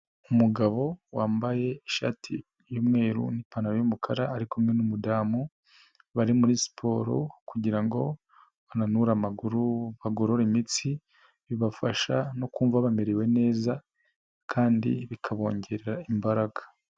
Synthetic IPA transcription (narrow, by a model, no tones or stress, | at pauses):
umuɡaβo̞waːmbaje̞iʃa̰ːtʰḭ | jumŋe̞ːɾṵnipanaɾojumukʰaɾaːɾikumŋe̞numudaːmu | βaɾimuɾisi̥pʰo̞ɾo̞̰kuɟiɾaŋɡo̞ | βananuɾamaɡuɾuβaɡoɾo̞ɾimit͡si | βiβafaʃano̞kuːɱvaβameɾewe̞ne̞ːza | kʰaːndḭβikʰaβo̞ːɲɟe̞ɾeɾaimbaɾaɡḁ